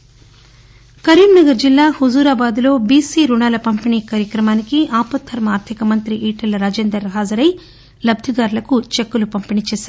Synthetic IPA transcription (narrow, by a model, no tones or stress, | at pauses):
kɐɾiːmnɐɡɐɾd͡ʒilːaːhuzuːɾaːbaːd̪lo̞ːbiːsiːɾuɳaːlɐpɐmpiniːkaːɾjɐkɾɐmaːnikiʔaːpɐt̪ʰːɐɾmɐaːɾt̪ʰikɐmɐnt̪ɾiʔiːʈɐlɾaːd͡ʒeːnd̪ɐɾɦaːzɐɾɐj | lɐb̚d̪ʱiɡaːɾlɐkut͡ʃekːulupɐmpinit͡ʃeːsaːɾ